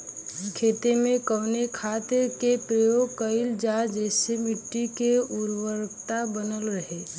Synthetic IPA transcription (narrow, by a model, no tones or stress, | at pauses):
kʰeːt̪emẽkəʊnekʰat̪ɪɾkepɾəjoɡ̚kəɪld͡ʒad͡ʒɛːsemɪʈːikeuɾwəɾkt̪abənəlɾəɦe